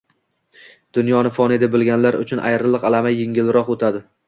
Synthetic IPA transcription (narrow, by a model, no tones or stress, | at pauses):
d̪̥ʊnjɒnɪfɒnɪd̪abɪlˠɡʲanlaɾʊ̰t͡ʃʰʊnʔa̰jɾɪlˠɨqalˠamajːeŋʲɪlɾɒqot̪ʰad̪ɪ